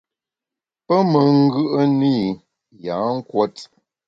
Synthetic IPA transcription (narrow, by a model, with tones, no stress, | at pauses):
pə˦mə˨ŋ˦ɡɯ˦ʔə˦ni˦˨ | ja˨˦ŋ̩˦kwɔ˦t